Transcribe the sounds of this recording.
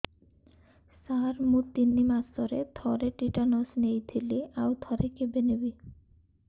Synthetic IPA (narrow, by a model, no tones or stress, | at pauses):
saɾmut̪ːinːimast̪ɔɾet̪ʰɔɾeʈiʈanɔsnejt̪ʰiliʔawt̪ʰɔɾekebenebi